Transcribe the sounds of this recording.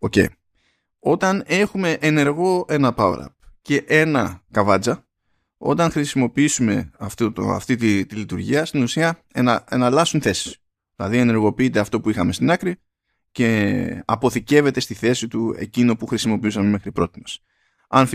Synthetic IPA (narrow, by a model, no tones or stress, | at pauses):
o̞cḛi | o̞t̪ɐne̞xume̞ʔene̞ɾɣo̞e̞nɐpɐ̰ɾɐ̰p̚ce̞ʔe̞nɐkɐvɐd͡zɐ | o̞̰t̪ɐŋxɾisimo̞piisume̞ɐft̪ot̪ɐ̰ft̪it̪it̪ilit̪uɾʝiɐst̪inusiɐenɐenɐlɐsunθe̞si̥s | ðilɐðiene̞ɾɣo̞piit̪e̞ɐft̪o̞puixɐme̞st̪inɐkɾi | ce̞ɐpo̞θice̞ve̞t̪e̞st̪iθe̞sit̪ue̞̰cino̞puxɾisimo̞piusɐme̞me̞xɾipɾo̞t̪imes | ɐn